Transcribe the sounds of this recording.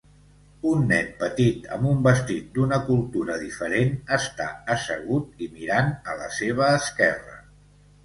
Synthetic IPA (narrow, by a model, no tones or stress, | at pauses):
unːɛnpət̪it̪ə̰mbumbəst̪it̪̚d̪unəkulˠt̪uɾəðifəɾenəst̪a̰əsəɣ̞ut̪̚imiɾanələseβ̞əːskɛrə̰